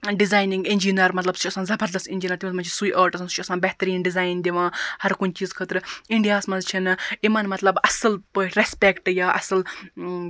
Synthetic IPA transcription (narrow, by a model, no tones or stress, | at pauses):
ɖizaːjnĩŋɡinʲd͡ʒinɐɾmɐt̪lɐbsʰt͡ʃʰɐsãːnzɐbʱɐɾd̪ɐsinʲd͡ʒiːnɐɾt̪imsmɐnt͡ʃʰi̥suiːʔaːɾʈɐsɐnst͡ʃʰisãːbɛɦt̪əɾiːnɖizaːjnd̪iʋãːhɐɾkunt͡ʃiːzkʰəːt̪ɾiɳɖijaːsmɐnzt͡ʃʰinimɐnmɐt̪lɐbɐsəlpəɾespekʈjaːʔɐsɐl